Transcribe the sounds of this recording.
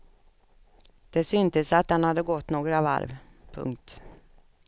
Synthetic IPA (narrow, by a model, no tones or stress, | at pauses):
d̪̥ɛsʏnt̪əsat̪̚d̪ɛnhad̪ːəɡɔt̪ːnoːɡɾava̰ɾvpʰɵ̰ŋk̚t̪